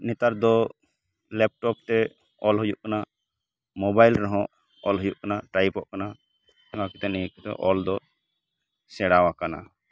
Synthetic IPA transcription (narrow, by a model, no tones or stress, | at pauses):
nɛt̪aɾd̪ɔ | lɛp̚ʈɔp̚t̪ɛ | ɔlɦɔjuʔkana | mɔbajlɾɔɦɔ̃ | ɔlɦɔjuʔkanaʈajpɔʔkana | ŋãkit̪ɛnɛkit̪ɛ̰ʔɔld̪ɔ | sɛɽawakana̰